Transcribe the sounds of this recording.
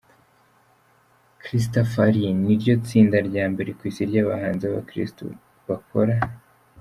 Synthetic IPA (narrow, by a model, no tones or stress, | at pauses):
kɾis̬tofaɾiniɾɟo̞t͡siːndaɾɟaːmbe̞ɾe̞kwiːsiɾɟaːβa̰haːnziaβa̰kɾḭsto̰ | βakʰo̞ɾa